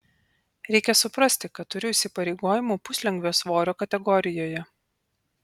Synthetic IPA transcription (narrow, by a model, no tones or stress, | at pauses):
ɾʲɛɪkʲɛsʊpɾɐsʲt̪ʲɪkɐt̪t̪ːʊɾʲɪʊʃʲsʲɪpɐɾʲɛɪɡoːjɪmuːpʊsʲlʲɛŋɡʲʋʲoːsʋoːɾʲoːkɐt̪ʲɛɡɔɾʲɪjoːjɛ